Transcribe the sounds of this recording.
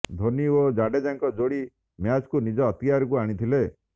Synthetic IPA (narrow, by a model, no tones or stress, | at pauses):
d̪ʱoniod͡ʒaɖed͡ʒaŋkɔd͡ʒoɽi | mjad͡ʒkunid͡ʒɔːt̪ijaɾɔk̬uaɽ̃it̪ʰile